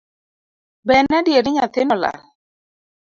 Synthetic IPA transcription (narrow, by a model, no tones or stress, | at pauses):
bɛnadjeɾɪɲat̪enɔla̰